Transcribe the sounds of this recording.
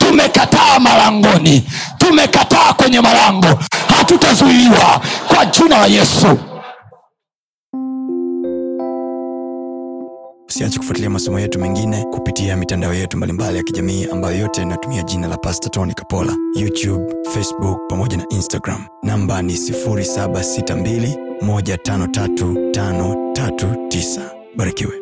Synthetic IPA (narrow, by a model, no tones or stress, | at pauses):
tumɛkataːmalaŋɡɔni | tumɛkataːkwɛɲɛmalaŋɡɔhatutazuiwa̰kwad͡ʒinalajɛsu | u̥siat͡ʃɛ̥ku̥fwatiliamasɔmɔjɛtumiŋɡinɛkupitiamitandaɔjɛtumbalimbalijakiʄamiːʔambajɔjɔtɛnatumiaʄinalapastatɔnikḁpɔla̰jutjubfɛsbuk̚pamɔʄanaʔinstaɡɾa̰m̩ | nambanisifuɾisaɓasitambilimɔʄatanɔtatutanɔtatutisḁ | ɓaɾikiwɛ